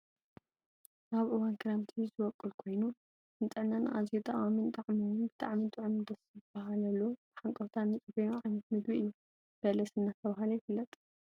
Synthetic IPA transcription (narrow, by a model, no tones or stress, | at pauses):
ʔaβʔɨwankʰɨɾamt̪ʰizɨwɔkʼːɨlkʰo̞jnu | nt̪ʼɨʕnanʔa̰ziut̪ʼaʔwamint̪ʼaʕmiwunbɨt̪ʼaʕmint̪ʼɨʕɨmɨd̪ɐsɨbaɦalɐlːob̥ɨħaŋkʼɐwt̪ʰanɨt͡sʼɨfɐjoʕajnɐt̪̚mɨd̪wiʔɨjːu | b̥ɐlɐsɨnːat̪ʰɐβaɦalɐjɪfɨlːɐt̪ʼ